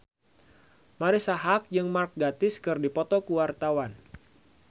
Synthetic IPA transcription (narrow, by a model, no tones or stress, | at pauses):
maɾisaɦak̚d͡ʒɨŋmark̚ɡat̪ɪskɨrdipɔt̪ɔkuwart̪awan